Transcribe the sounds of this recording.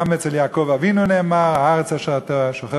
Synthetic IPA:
met͡sljaːkovavinuneːmaʁaaʁt͡saʃt̪aʃoχɛ

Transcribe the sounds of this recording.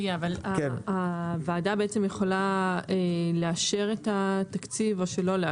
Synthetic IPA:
jaavalakaveːdabeet͡se̞mjeχo̞laeleaʃe̞ʁetatakt͡sivo̞ʃe̞lo̞le

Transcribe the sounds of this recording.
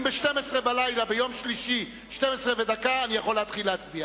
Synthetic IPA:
mbeʃtemesʁebalajlabejo̞mʃliʃi | ʃtemesʁeved̪akaːnijaχo̞leat̪χileat͡sbia

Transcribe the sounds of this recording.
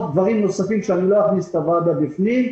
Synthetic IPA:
d̪vaʁimno̞safimʃeanilojaχnist̪avadabifnim

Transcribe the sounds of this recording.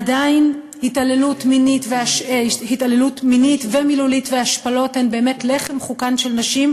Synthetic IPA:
adain | hitalelutminitveaʃehitalelutminitvemilulitveaʃpalo̞tːe̞nbe̞ːme̞tleχe̞mχukanʃelnaʃim

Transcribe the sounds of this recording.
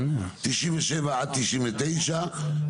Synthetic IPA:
t̪iʃʔinveʃevaʕat̪iʃʔimvet̪ejʃa

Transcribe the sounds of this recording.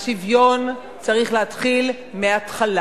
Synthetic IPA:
ʃivjo̞n | t͡saʁiχleatχil | meat̪χala

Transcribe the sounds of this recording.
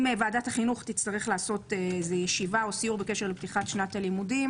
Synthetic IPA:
mevaːdataχinuχt̪ist̪aʁeχlaːso̞t̪eezejeʃivaosijuʁbekeʃeʁlept̪iχatʃnatalimudim

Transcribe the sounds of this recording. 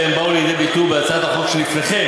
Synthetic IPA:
embauliid̪ebit̪ubeat͡sad̪aχokʃelifveχem

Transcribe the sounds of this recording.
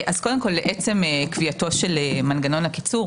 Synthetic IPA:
ʔaz̥kodemko̞lbeʔet͡se̞mekviato̞ʃelemanɡano̞nhaki̥t͡suʁ

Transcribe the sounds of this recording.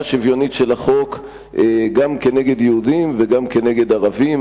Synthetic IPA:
ʃivjo̞nitʃelaχo̞k | ʔeɡamkeneɡe̞d̪jeudimveɡamke̞neɡe̞d̪aʁavim

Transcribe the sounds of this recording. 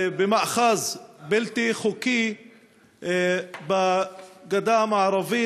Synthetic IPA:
bemaʔχazbilt̪iχuki | baɡad̪amaʕaɾˤavi

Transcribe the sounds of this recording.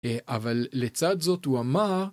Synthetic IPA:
ʔavalːet͡sad̪zo̞t̪uamaʁ

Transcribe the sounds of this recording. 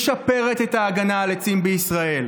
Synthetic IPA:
ʃape̞ʁe̞t̪e̞t̪aːɡanaːlet͡simbeisʁae̞l

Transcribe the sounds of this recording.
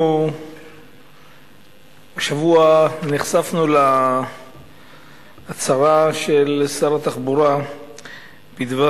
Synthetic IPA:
eʃavuaniχsafnula | t͡saʁaʃelsaʁat̪aχbuɾa | b̥id̪va

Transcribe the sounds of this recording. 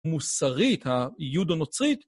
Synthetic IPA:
musaʁit̪hajudanot͡sʁit̪

